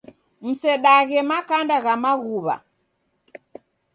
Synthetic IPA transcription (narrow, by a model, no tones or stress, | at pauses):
m̩sɛɗaɣɛmakandaɣamaɣuβa̰